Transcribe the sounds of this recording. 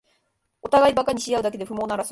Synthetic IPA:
o̞t̪aɡaibakaɲ̟iɕijaɯ̟d̪ak̬e̞d̪e̞ɸɯ̟mo̞ːnaɾas

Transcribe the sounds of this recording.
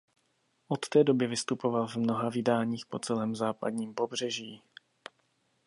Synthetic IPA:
ʔot̪ːɛːdo̞bɪvɪst̪upovalvmno̞ɦavɪdaːɲiːxpo̞t͡sɛlɛːmzaːpa̰dɲiːmpo̞br̝̥ɛʒiː

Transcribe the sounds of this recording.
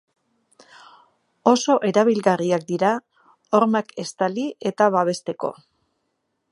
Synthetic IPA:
o̞so̞ʔe̞ɾaβ̞ilɣariak̚d̪iɾa | oɾmake̞st̪alie̞t̪aβaβ̞e̞st̪e̞ko̞̰

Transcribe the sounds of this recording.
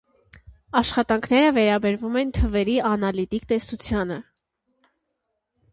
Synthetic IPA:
ɑʃχɑt̪ɑŋkʰn̪ɛɾəvɛɾɑbɛɾvumɛnt̪ʰəvɛɾiɑnɑlit̪ikt̪ɛst̪ut͡sʰjɑnə

